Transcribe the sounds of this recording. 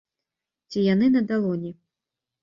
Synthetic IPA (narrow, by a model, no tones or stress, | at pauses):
t͡sʲijanɨnɐd̪alˠɔnʲɛ